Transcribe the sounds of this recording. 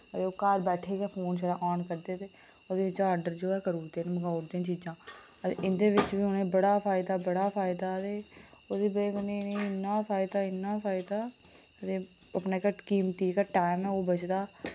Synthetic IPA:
ət̪eːoːkaːɾbɛːʈʰeːɡːpʰoːnʃəɾaːʔɔːnkəɾd̪eːt̪e | oːd̪eːʋɪt͡ʃaːəɖəɾd͡ʒoːɛːkəɾuːd̪eːnːmɡaːɾd̪ẽːnt͡ʃiːd͡ʒãː | ət̪ḛʔɪnd̪eːʋɪt͡ʃʋiːʊnẽːbəɽaːpʰaːɪd̪aːbəɽaːpʰaːɪd̪aːət̪eːoːd̪iːbekːnẽĩnə̃ɪnːaːpʰaːɪd̪aːɪnːaːpʰaːɪd̪aː | ət̪eː | əpnaːkːʈkiːmt̪iːkaːʈaːɪmɛ̃ːoːbət͡ʃd̪aː

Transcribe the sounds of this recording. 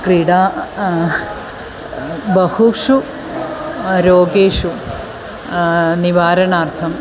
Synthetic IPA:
kɾiːɽaː | bɐhukʂu | ɾoːɡeːʂu | niʋaːɾɐɳaːɾt̪ʰɐm

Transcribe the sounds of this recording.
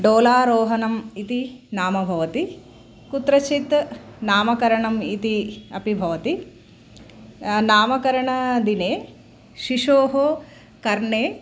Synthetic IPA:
ɖoːlaːɾoːɦɐnɐmit̪inaːmɐbʱɐʋɐt̪i | kut̪ɾɐt͡ʃit̪naːmɐkɐɾɐɳɐmit̪iɐ̰pibʱɐʋɐt̪i | naːmɐkɐɾɐɳɐd̪ineː | ʃiʂoːɦo | kɐɾɳeː

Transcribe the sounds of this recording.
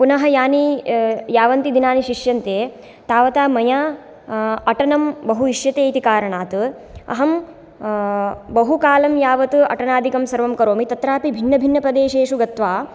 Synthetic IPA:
punɐɦɐjaːnijaːʋɐnt̪id̪inaːniʃiʂjɐnt̪eː | t̪aːʋɐt̪aːmɐjaː | ɐʈɐnɐmbɐɦuiʃjɐt̪eːt̪ikaːɾɐɳaːt̪ɨ | ɐ̰ɦɐm | bɐɦukaːlɐmjaːʋɐt̪ɨɐ̰ʈɐnaːd̪ʱikɐmsɐɾʋɐmkɐɾoːmit̪ɐt̪ɾaːpibʱinːɐbʱinːɐpɾɐd̪eːʃeːʃuɡɐt̪ʋaː

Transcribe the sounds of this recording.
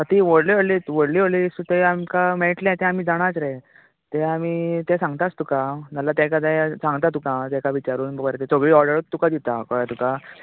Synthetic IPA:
ət̪iʋəɽliːʋəɽliʋəɽliːʋəɽliːsut̪eamkameʈlẽt̪ɛ̃am̤iːd͡zaɽ̃at͡sɾe | t̪eamiːt̪ɛ̃sãŋɡt̪at͡st̪ukãd͡zalat̪ãkad̪ɛsãŋɡt̪at̪ukãt̪ãkaʋit͡ɕaɾuːnbʱəɡəɾet̪et͡soɡɭiːɔɾɖəɾt̪ːukãd̪it̪akəɭat̪uka

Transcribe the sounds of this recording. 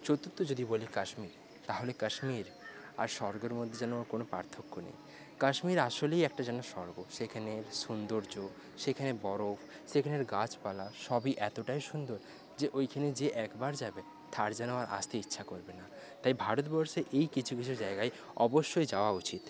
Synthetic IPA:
t͡ɕot̪ːot̪ːod͡ʑod̪ibolikaʃmiɾ | t̪aɦolekaʃmiɾ | a̰ɾʃɔɾɡeɾmod̪ʱːed͡ʑɛnoaɾkonopaɾt̪ʰokːonḛj | kaʃmiɾaʃolejɛk̚ʈad͡ʑɛnoʃɔɾɡoʃekʰaneɾʃund̪oɾd͡ʑo | ʃekʰanebɔɾof | ʃekʰaneɾɡat͡ɕpalaʃɔbiʔɛt̪oʈajʃund̪oɾ | d͡ʑeʔojkʰaned͡ʑeʔɛkbaɾd͡ʑabe | t̪ʰaɾd͡ʑanoaɾʔa̰st̪ʰeitːɕʰakoɾbena | t̪ajbʱaɾot̪bɔɾʃeʔejkit͡ɕʰukit͡ɕʰud͡ʑaeɡae | ɔboʃːojd͡ʑaoaut͡ɕit̪

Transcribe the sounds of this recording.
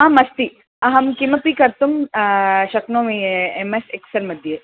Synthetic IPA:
ãmɐst̪i | ɐɦɐmkimɐpikɐɾt̪um | ʃɐknoːmiemeseksɐɾmɐd̪ʱjeː

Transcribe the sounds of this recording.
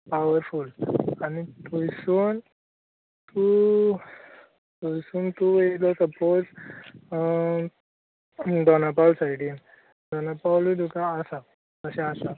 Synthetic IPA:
pawəɾfulanit̪ujsun | t̪u | t̪ujsuːnt̪uʋeilɔsəpod͡z | d̪ɔnapalsajʈin | d̪ɔnapawlud̪ukãːsa | kəsɛ̃asa

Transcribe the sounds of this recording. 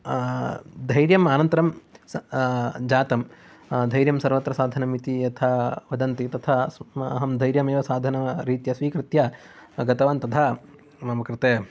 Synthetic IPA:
d̪ʱɐjɾjɐmaːnɐnt̪ɐɾɐms | d͡ʒaːt̪ɐm | d̪ʱɐjɾjɐmsɐɾʋɐt̪ɾɐsaːd̪ʱɐnɐmit̪ijɐt̪ʰaʋɐd̪ɐnt̪it̪ɐt̪ʰasɐ̰ɦɐmd̪ʱɐjɾjɐmeːʋɐsaːd̪ʱɐnɐɾiːt̪jɐsʋiːkɾɪt̪jɐ | ɡɐt̪ɐʋaːnt̪ɐt̪ʰa | mɐmɐkɾɨt̪eː

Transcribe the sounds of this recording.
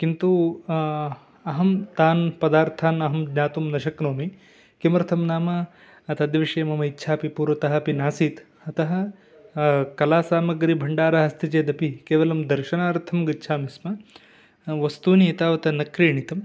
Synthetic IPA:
kint̪u | ɐɦɐmt̪aːnpɐd̪aːɾt̪ʰaːnɐɦɐmd̪ɲaːt̪umnɐʃɐknoːmi | kimɾt̪ʰɐmnaːmɐ | ɐt̪ɐd̪jɐʋiʂɐjɐmɐmɐitːʃʰaːpipuːɾʋɐt̪ɐɦɐ̆ɐpinaːsiːt̪ | ɐt̪ɐɦɐ̆ | kɐlaːsaːmɐɡɾibʱɐɳɖaːɾɐɦɐst̪ʰit͡ʃeːd̪ɐpikeːʋɐlɐmd̪ɐɾʃɐnaːɾt̪ʰɐmɡɐtːʃʰaːmismɐ | ʋɐst̪uːniit̪aːʋɐt̪ɐnɐkɾiːɳit̪ɐm

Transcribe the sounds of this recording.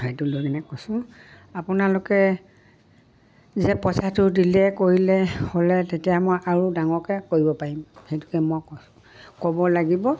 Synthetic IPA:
hejtulojkɛnɛkosʊ̃ | apʊnalʊkɛ | zɛpɔsatʊdilɛkoɹilɛholɛtetijamojʔaɹudaŋɔkɛkoɹibɔpaɹimxejtu̥kɛmɔjkosʊ̥ | kɔbɔlaɡibɔ

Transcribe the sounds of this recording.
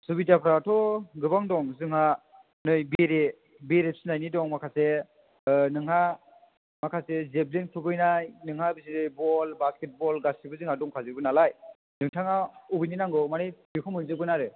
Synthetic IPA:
subidapʰɾatʰɔɡɯbaŋdɔŋzɯŋha | nɯjbiɾe | beɾep̚sinajnidɔŋmakʰase | nɯŋɦa | makʰasezeblinkʰɯbɯjnajnɯŋabiziɾɯjbɔlbasket̚bɔlɡasibɯzɯŋhadɔŋkʰazɯbɯnalaj | nɯŋtʰaŋaubɯjninaŋɡɯmanɯjbikʰɔmɯnzɯbɯnaɾɯ

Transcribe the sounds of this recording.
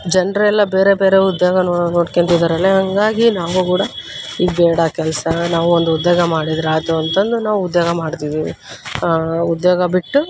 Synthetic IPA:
d͡ʒɛnɾɐɛlːɐbe̞ːɾe̞beːɾe̞ud̪joːɡɐnonoːɽkent̪id̪ɐɾɐlːeɦɐŋɡaːɡinaːʋukuːɽɐiːbɛːɽɐkɛlɐsɐnaːʋuond̪uud̪joːɡɐmaːɽid̪ɾaːt̪uɐnt̪ɐnd̪unaːʋuud̪joːɡɐmaːɽt̪iːʋḭ | ud̪joːɡɐbiʈːu

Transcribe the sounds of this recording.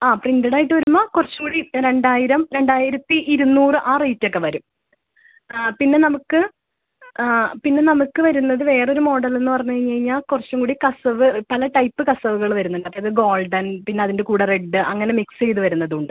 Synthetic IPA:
aːpriɳdɐɽaːjiʈːɨʋɐɾumːoːkurɐt͡ɕːɐŋɡuːɽiɾe̞ɳɖaːjiɾɐmɾe̞ɳɖaːjiɾɐt̪ːiʔiɾunːuːrɨʔaːrejtːo̞kːe̞ʋɐɾum | pinːe̞nɐmukːɨ | pinːe̞nɐmukːɨʋɐɾunːɐðɨʋe̞ːro̞ɾumo̞ːɽɐle̞nːɨpɐrɐɲːuɐɲɐɻiɲːaːlkurɐt͡ɕːɐŋɡuːɽikɐsɐʋɨpɐlɐʈɐjpːɨkɐsɐʋuɣɐɭʋɐɾunːɐlːɐpːeɐðɨɡo̞ːlɖɐnpinːe̞ɐðinde̞kuːɽɐreɖːɨʔɐŋːɐne̞miksejðɨʋɐɾunːɐðuɳɖɨ

